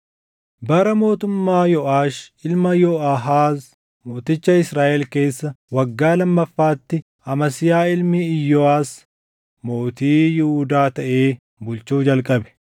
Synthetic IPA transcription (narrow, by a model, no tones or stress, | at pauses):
bɐɾɐmo̞ːt̪ʊmːaːjɔʔaːʃɪlmɐjɔʔaɦaːs | moːt̪ɪt͡ʃːɐɪsɾaːʔɛlke̞ːsːɐwɐɡːaːlɐmːɐfːaːt̪ːɪ | ɐmɐsɪjaːɪlmɪɪjːɔaːs | mo̞ːt̪iːjɪhuːd̪aːt̪ɐʔe̞ː | bʊlt͡ʃuːd͡ʒɐlkʼɐbɛ̥